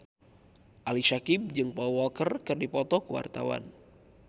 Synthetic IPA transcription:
ʔalisakib̚d͡ʒɨŋpɔwɔkərkɨrdipɔt̪ɔkuwa̰rt̪a̰wa̰n

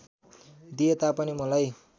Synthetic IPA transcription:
d̪ijet̪apʌnimʌlaj

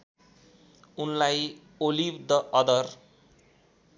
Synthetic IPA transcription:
unlaj | olibd̪ʌʔʌd̪ʌr

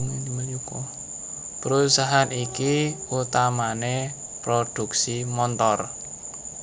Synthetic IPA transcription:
ukɔ | pəɾusaɦanikiut̪amane | pɾod̪̥ṳk̚simɔnt̪ɔr

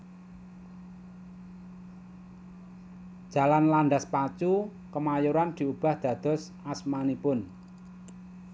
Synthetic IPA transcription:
d̥d͡ʒ̥a̤lanlaɳɖ̪aspat͡ʃu | kəmajuɾand̪̥i̤ub̥a̤hd̪̥ä̤d̪̥ɔ̤s | asmanipʊn

